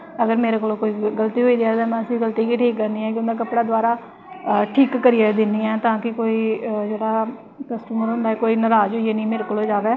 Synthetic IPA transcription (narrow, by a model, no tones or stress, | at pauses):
əɡəɾmeːɾekoːloːkoːiːɡəlt̪iːɦoːiːd͡ʒaːt̪ãːmɛ̃ːəsĩɡəlt̪iːkiːʈʰiːkːəɾniːɦɛ̃ːkɪjʊnd̪aːkəpɽaːd̪waːɾaː | ʈʰiːkːəɾiːeːd̪ɪnːiɛ̃ːt̪ãːkɪkoːiːd͡ʒeːɽaː | kəsʈuːməɾɦʊnd̪aːɦɛːkoːiːnəɾaːzɦoːieːnĩːmeːɾeːkoːloːd͡ʒaːʋeː